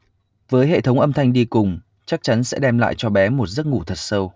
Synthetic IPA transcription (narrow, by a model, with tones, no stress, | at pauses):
vəː˨˦jɦḛ˧˨t̪ʰə˨˦wŋ͡mʔə˧mt̪ʰa˧jŋ̟ɗi˧kʊ˨˩ŋ͡m | t͡ɕa˦˥k̚t͡ɕa˨˦nsɛ̰˧˥ɗɛ˧mla̰ː˧˨jt͡ɕɔ˧ɓɛ˨˦mo˨˩t̚zə˦˥t̚ŋu˧˩t̪ʰə˨˩t̚sə˧w